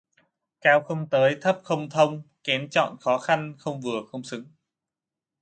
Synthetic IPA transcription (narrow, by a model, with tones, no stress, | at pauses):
kaː˧wxə˧wŋ͡mt̪əː˨˦jt̪ʰə˦˥p̚xə˧wŋ͡mt̪ʰə˧wŋ͡mkɛ˨˦nt͡ɕɔ̰˧˨nxɔ˨˦xa˧nxə˧wŋ͡mvɨ˨˩əxə˧wŋ͡msɨ˨˦ŋ